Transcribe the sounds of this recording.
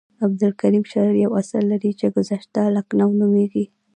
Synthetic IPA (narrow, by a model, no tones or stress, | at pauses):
ab̚d̪ɪlkaɾimʃaɾaɾjawasalːaɾit͡ʃeɡʊzaʃt̪alaknawnumeɡi